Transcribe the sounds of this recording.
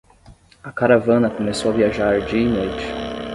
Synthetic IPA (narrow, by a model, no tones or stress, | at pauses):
ɐkaɾavɐ̃nɐkomesowɐviaʒaɾd͡ʒiɐinojt͡ʃɪ̥